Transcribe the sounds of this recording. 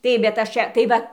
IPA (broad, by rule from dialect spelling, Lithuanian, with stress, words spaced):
ˈtɐɪp bʲɛt ˈɐʃ ˈt͡ʃʲɛ tɐɪ ˈʋɐ